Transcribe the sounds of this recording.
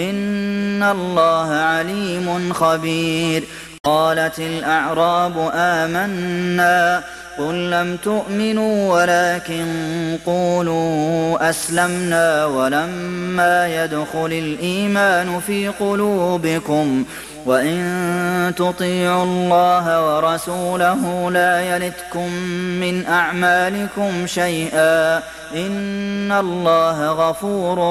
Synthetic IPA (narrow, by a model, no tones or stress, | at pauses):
ʔɪnːalːɑːɦaʕaliːmʊnxabiːɾ | qɑːlat̪ɪlʔaʕɾˤɑːbʊʔaːmanːaː | qʊlːamt̪ʊʔmɪnuːwalaːkɪnquːluːʔaslamnaːwalamːaːjad̪xʊlalʔiːmaːnʊfiːqʊluːbɪkʊm | waʔɪnt̪ʊt̪ˤiːʕʊlːɑːɦawɑɾˤɑsuːlaɦʊlaːjalɪt̪kʊmːɪnʔaʕmaːlɪkʊmʃajʔaː | ʔɪnːalˤːɑːɦaɣafuːɾ